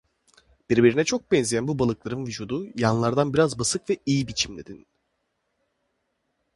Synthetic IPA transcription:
b̥iɾbiɾinɛt͡ʃʰo̞k̚bɛnzijænbubalˠɯklˠaɾɯnvyd͡ʒuːd̪ujanlˠaɾd̪anbiɾazbasɯkvɛijibit͡ʃʰimd̪ed̪in

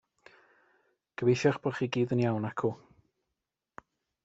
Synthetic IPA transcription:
ɡ̥əveʃaχbɔχiːɡiːðənjawnakʰu

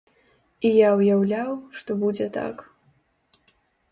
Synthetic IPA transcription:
ijawjawlʲawʂt̪ɔbud͡zʲɛt̪a̰k

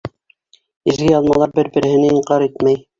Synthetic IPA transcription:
ɘ̆zɡɘjɑlˠmɑlˠɑɾbɘɾbɘ̆ɾɘ̆hɘ̆nɘiɴqɑɾit̪mæj

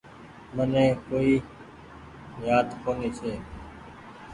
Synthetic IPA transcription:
mənẽːkoːiː | jaːt̪kʰoːniːsʰeː

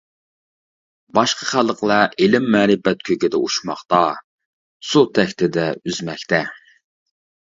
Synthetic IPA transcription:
bɑʃqʰəχælˠəqlˠɛelɪmːɛːɾɪbɛt̪̚kʲʰøɡʲɪd̪ɛuʃmɑχt̪ɑ | sut̪ʰɛkʲt̪ʰɪd̪ɛyzmɛkʲt̪ʰɛ

